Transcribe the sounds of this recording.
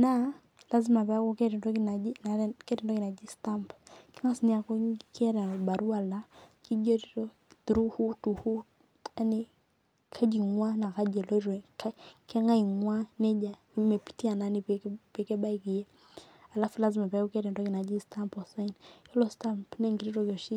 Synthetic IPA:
na˦ | la˦zi˦ma˨pɛ˦a˦ku˦kɛtɛ˨dɔ˦kina˨i˦n˨kɛ˦tɛ˨ndɔ˦ki˨na˨d͡ʒi˦sta˦mpkɛ˦ŋa˦sni˦a˨kɔ˦kʰɛ˦ɾɛ˨ba˨ɾu˦a˨la˦ki˦d͡ʒɔ˦ɾi˦ɾɔ˦ | tɾu˦hu˦tu˨hu˦ | a˦ni˦ | kʰa˦d͡ʒi˨ŋwa˦na˨ka˦d͡ʒɛ˨lɔ˦ɾɛ˨ka˦kɛ˦ŋa˦i˨ŋwa˦nɛ˦d͡ʒa˨˦mɛ˨pi̥˨ti˦a˨na˦ni˨ppɛ˨kɛ˦ɓa˦iki˨jɛ˦ | a˨la˦fu˨la˦zi˦ma˨pɛ˨˦ku˦kɛ˦ɾɛ˨n˨dɔ˦ki˨na˨d͡ʒi˦sta˦mpɔ˨sa˦i˦ni˦lɔ˦sta˦mpnɛ˦ŋɡi˨ɾi˦ɾɔ˦kɔ˨ʃi˦

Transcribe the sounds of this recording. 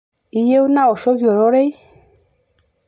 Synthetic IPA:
i˨je˦u˦na˦o˨ʃo˦vjɔ˨ɾo˦ɾe˦j

